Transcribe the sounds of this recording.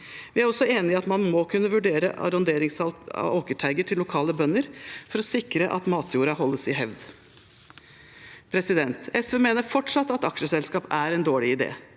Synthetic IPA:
ʋɪæɾɔsːɔeːnɪɪɑt̪mɑnmɔkʰʉnːəʋʉɖeːɾə̰ʔɑ̰ɾɔnd̪eːɾɪŋsɑ̰oːkəʈʰæɪɡəʈʰɪlːʊkʰɑːləbœnːəɾfɔɾɔsɪkɾəʔɑ̰t̪mɑːt̪ʰjuːɾɑɦɔlːəsɪɦɛʋd̪ | pʰɾɛsɪd̪ɛnt̪ɛsʋəmeːnəɾfɔʈʂɑt̪ːɑt̪ɑkʂəsɛlskɑːpæɾɛnd̪oːɭɪɪd̪ḛː

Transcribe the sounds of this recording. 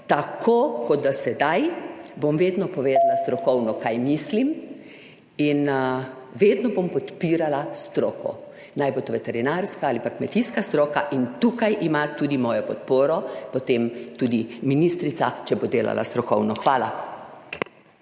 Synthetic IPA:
t̪akʰokɔd̪̚d̪asɛd̪ajbomʋeːd̪nɔpɔʋeːd̪alast̪ɾɔkɔwnɔkajmislim | in | ʋeːd̪nɔbompɔt̪piːɾalast̪ɾoːkʰɔ̰ | najbot̪oʋɛt̪ɛɾinaɾskaalipakmɛt̪iskast̪ɾoːkaʔint̪ukajʔimat̪uːd̪imɔːjɔpɔt̪poːɾɔpɔt̪emt̪uːd̪iminist̪ɾit̪sat͡ʃɛbod̪eːla̰la̰st̪ɾɔkɔwnɔxʋaːla̰

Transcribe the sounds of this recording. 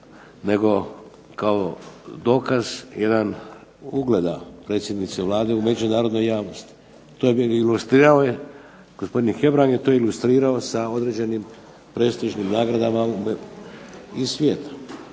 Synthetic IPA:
ne̞ɡo̞ | kaod̪o̞ːkazje̞d̪an | uɡle̞d̪apɾe̞t̪sje̞d̪nit̪seʋlˠaːd̪e̞ume̞d͡ʒunaːɾo̞d̪no̞jaːʋno̞st̪i̥ | t̪oiilust̪ɾiːɾaoje | ɡ̥osp̞d̪inxe̞bɾaŋɡjet̪o̞jilust̪ɾiːɾao̞sao̞d̪ɾe̞ːd͡ʑe̞nim | pɾe̞ːst̪iʒnimnaːɡɾad̪amau | isʋje̞ːt̪ḁ

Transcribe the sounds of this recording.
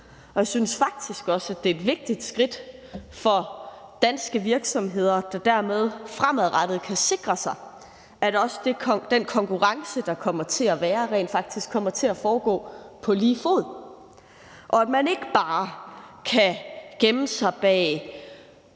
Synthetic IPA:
ɒ̽jäsynsfɑ̈ɡ̥̚d̥isɡ̥ɒ̽sæd̥e̝ed̥ʋe̝ɡ̥̚d̥id̥sɡ̥ʁid̥fɒ̽d̥ænsɡ̥əʋiɐɡ̥sɒ̽mɦe̝ð̞̰ˠɐd̥ɑ̈d̥æɐmeð̞ˠfʁamæðˠʁɑd̥ð̞̩ˠkʰæse̝ɡ̥ʁɐsɑ̈ɪ | ʔæd̥ɒ̽sd̥e̝d̥enkʰɒ̽ŋkʰuʁɑ̈ŋsəd̥ɑ̈kʰɒ̽m̰ɐt͡sʰe̝æʋæːɐʁḛːnd̥fɑ̈ɡ̥̚d̥isɡ̥ʰːɒ̽m̰ɐt͡sʰe̝æfɒːɡ̥ɔ̰ːpʰɒ̽liːfo̝̰ːð̩ˠ | ʔɒ̽æd̥mæne̝ɡ̥əb̥ɑ̈ːkʰæɡ̥emn̩sɑ̈ɪb̥ɛ̰ː

